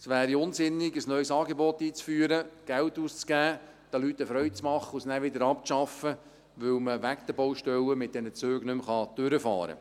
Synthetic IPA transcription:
sʋæːɾiʊnsɪnːɪɡəsnœjsɑːɡebɔt̪ːiːt͡sfyːəɾəɡ̥ælt̪uːst͡sɡ̥æː | d̥ɛlyt̪ːəfɾœʏt͡smɑχːəusnæːʋɪd̪əɾɑp̚t͡sʃɑfə | ʋɵlməʋækd̪əbɔwʃtɛləmɪt̚d̥ɛnət͡søːɡnɵmχɑd̥øɾəfɑ̰ːɾə̰

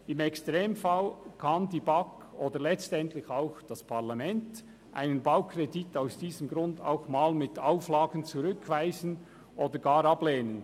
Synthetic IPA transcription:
ɪmɛkstʁeːmfalkʰɑndiːbak | oːdəlɛt͡stɛntlɪçaʊxd̥aspʰaʁlamɛnt | ʔa̰ɪnənbaʊkʰreditaʊsd̥iːzəmɡɾʊnda̰ʊxmaːlmɪtaʊflaːɡən̩t͡suʁʏkʰv̥aɪzən | ʔoːdəɡaːɾɑbleːnən

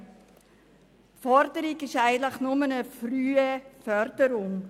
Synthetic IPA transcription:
tfɔɾdəɾiɡɪʃaɪɡənt̪ləχnʊmənəfryːəfœɾd̥əɾʊŋ

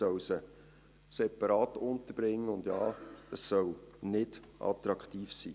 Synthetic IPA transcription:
œwsə | sɛpɑɾɑːtʊnt̪əɾb̥ɾɪŋːəʊnd̥jɑːəsːœwnɪdʔɑ̰t̪ɾɑktiːfsḭː

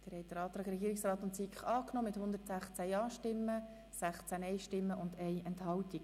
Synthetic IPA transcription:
d̥əɾhɛɪt̚d̪əɾɑːt̪ɾɑːɡɾɛɡiːɾiksrɑːt̪ʊntsikχɑːknɔːmɪthʊnd̪əɾtsæχt͡sæjɑːʃtɪmːə | sæχt͡sænɛjʃtɪmːəʔʊnd̪ɛɪɛnthɑltik

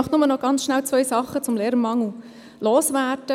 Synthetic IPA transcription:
ɑχtnʊmənɔɡ̥ɑnt͡sʃnælt͡sʋœjsɑχːət͡sʊmlɛːɾəmɑŋl̩ | loːsʋæːtə

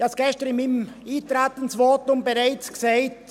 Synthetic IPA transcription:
ɑsɡ̥ɛʃtəɾɪmimiːtɾaːtən̩svɔːtʊmbeɾaɪt͡skseɪt

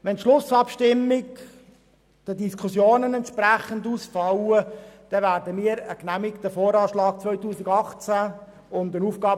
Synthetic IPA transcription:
ʋɛntʃlʊsɑpʃtɪmːɪk | d̥ədiskχʊsjoːnənɛnt̪ʃpræχənduːsfɑwəd̥ɛvæːɾdəmiːəɾəknæmɪktəfɔːɾɑːʃlɑːk̚t͡sʋœʏtuːsɪɡɑχt͡sæ | ʊndənuːfɡ̥ɑː

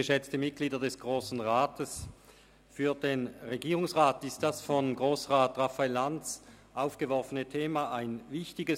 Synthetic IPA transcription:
əʃɛt͡stəmɪt̚ɡ̥liːdɐdɛsɡ̥ʁoːsn̩ʁaːtʰəs | fyːɐdeːnʁeɡiːʁʊŋsʁaːtɪst̚d̥asfɔnɡʁoːsʁaːtʁafaelːant͡s | ʔaʊfɡ̥əvɔɐfənətʰeːmaaɪnvɪçtɪɡə

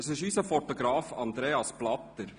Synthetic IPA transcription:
əsɪʃysəfɔtoɡɾɑːfɑnd̪ɾeːɑsplɑt̪ːəɾ

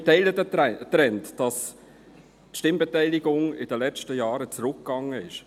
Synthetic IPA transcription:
tɛɪlədətːɾɛntd̥ɑs | tʃtɪmbɛtɛɪlɪɡʊŋɪdəlɛt͡ʃtəjɑːɾət͡sɾʊkːɡ̥ɑŋːəɪʃ

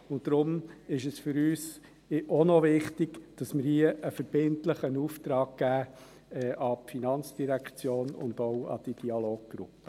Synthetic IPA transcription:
ʊn̚d̥ɾʊmɪʃəsfʏɾyːs | ʔɔnɔʋɪχtɪɡd̥ɑsmɪɾhiəʔəfəɾb̥ɪntləχənuːft̪ɾɑːɡ̚ɡ̥æː | ɛʔɑpfinɑnt͡sd̥iɾækχt͡sjoːnʊ̰nd̥̪oʊɑ̰d̥id̥iɑloːɡ̚ɡ̥ɾʊ̰pːə̥

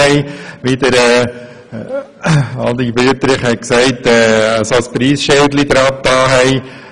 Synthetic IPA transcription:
ɛɪʋid̪əɾɛː | ɑldibyətəɾɪχhɛɪksɛɪtɛːsɑspɾiːsʃeldlid̪ɾɑt̚tɑːɦɛɪ

